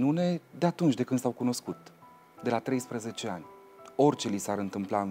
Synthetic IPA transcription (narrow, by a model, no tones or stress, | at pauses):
nune̞d̪eat̪unt͡ʃd̪e̞kɨnd̪sawkuno̞skut̪ | d̪e̞lat̪ɾe̞jspɾəze̞t͡ʃe̞anʲ | o̞rʲt͡ʃe̞lisaɾɨnt̪ɨmplaɨ